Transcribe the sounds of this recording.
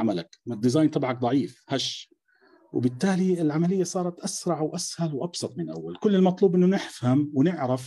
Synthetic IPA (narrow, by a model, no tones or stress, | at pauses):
amalakmɪd̪ːɪzɑːjnt̪ˤɑbʕɑk̚d̪ˤɑʕiːfhaʃ | wɪ̰bɪt̪ːaːliɪlʕamalɪjːasˤɑːɾˤɑt̪ʔasɾˤɑʕwʔashalwʔɑbsˤɑt̪ˤmɪnʔa̰wːalkʊlːɪlmɑt̪ˤluːbʔɪnːʊnɪħfhamwnɪʕɾaf